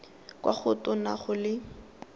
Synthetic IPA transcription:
kwʔa̰χʊtʊnaχʊlɪ

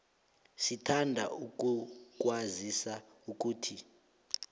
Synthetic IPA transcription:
sitʰandʱa̰uk̬ʼuk̬ʼwazisa | uk̬ʼuːtʰi

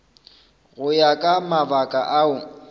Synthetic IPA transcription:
ɣʊjakʼamabakʼa̰ʔaʊ

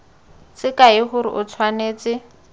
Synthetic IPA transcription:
t͡sɪkaɪχʊɾɪ̰ʔʊt͡sʰwaneːt͡sɪ

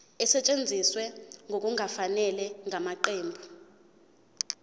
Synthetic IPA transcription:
ɛsɛt͡ʃʼend͡zʱiswɛŋɡʱok̬ʼuŋafanɛlɛŋʱamaǃeːmbʱu

